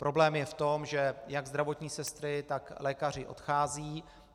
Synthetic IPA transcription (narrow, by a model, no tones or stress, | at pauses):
pɾʔo̞blɛːmjɛft̪o̞mʒɛjaɡzd̪ɾavo̞t̪ɲiːsɛst̪ɾɪt̪aklɛːkar̝ɪʔo̞̰t̪xaːziː